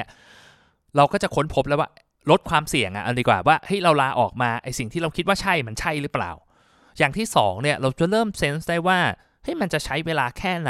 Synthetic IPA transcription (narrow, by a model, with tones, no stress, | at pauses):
ɾa˧wkɔː˥˩t͡ɕa˨˩kʰo˦˥npʰo˦˥p̚lɛː˦˥waː˥˩ | ɾo˦˥t̪̚kʰwaː˧msi˨˩əŋʔa̰˨ʔa˧ndiː˧˩kwaː˨˩waː˥˩ha˦˥˩jɾa˧wlaː˧ʔɔ̰ː˨˩k̚maː˧ʔa˧˩jsi˨˩ŋt̪ʰiː˥˩ɾa˧wkʰi˦˥t̪̚waː˥˩t͡ɕʰa˥˩jma˧nt͡ɕʰa˥˩jɾɯː˦˥pla̰ː˨˩w | jaː˨˩ŋt̪ʰiː˥˩sɔ̰ː˩˦ŋni˥˩ɐɾa˧wt͡ɕa˨˩ɾɤː˥˩mse˦˥nsdaː˥˩jwaː˥˩ | ha˦˥jma˧nt͡ɕa˨˩t͡ɕʰa˦˥jweː˧laː˧kʰɛː˥˩na˦